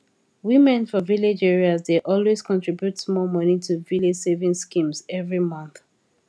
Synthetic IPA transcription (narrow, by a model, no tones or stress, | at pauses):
wimɛ̃nfɔviled͡ʒɛɹiazdeʔɔlwez̥kɔ̃ntɹ̥ibjutsmɔlmʌnitʰuviled͡ʒsevĩŋskĩmzɛvɹimʌ̃nθ